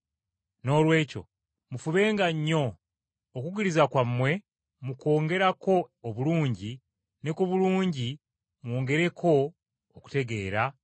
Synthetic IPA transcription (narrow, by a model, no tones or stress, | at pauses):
no̞ːlwe̞ːco̞̰ | mufuβe̞ːŋɡaɲːo̞ː | kuɡiɾizakwamːwe̞ | muko̞ːŋɡe̞ɾako̞ːβuluːɲɟi | ne̞kuβuluːɲɟi | mwo̞ːŋɡe̞ɾe̞kʰo̞ː | ku̥te̞ɡe̞ːɾa